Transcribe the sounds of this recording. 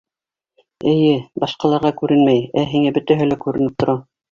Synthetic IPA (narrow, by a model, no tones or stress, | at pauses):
ɘ̆jɘbɑʃqɑlˠɑɾʁɑkʉɾɘnmæjæɦiŋæbɵ̆t̪æɦɘlækʉɾɘ̆nɘp̚t̪ŏɾɑ